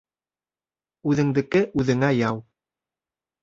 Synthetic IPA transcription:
ʉðɘ̆ŋd̪ɘ̆kɘʔʉðɘ̆ŋæjɑw

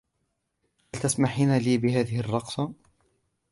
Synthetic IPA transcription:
halt̪asmaħiːnaliːbɪhaːðɪhɪrˤːɑqsˤɑ

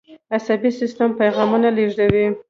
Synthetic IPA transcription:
asabisɪst̪ampajɣɑmunaleʐdawi

